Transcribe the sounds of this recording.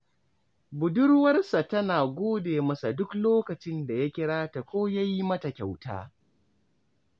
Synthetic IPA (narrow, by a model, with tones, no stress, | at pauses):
bʊ˨dʊ˦rwɐ˦rsa˨tɐ˦naː˨ɡʷoː˦deː˨mɐ˦sa˨dʊ˦kloː˦kɐ˨t͡ʃɪ˦nda˨ja˦kʲɪ˦ɽaː˦ta˨kʷoː˦ja˦ji˦mɐ˦ta˨kʲa˨wta̰ː˦